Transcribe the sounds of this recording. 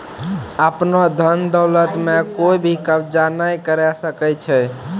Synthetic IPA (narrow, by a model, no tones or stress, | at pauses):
əpnɔd̪ʱənd̪əwlət̪mekoibʱikəbd͡ʒanəjkəɾɛsəkɛt͡ʃʰɛ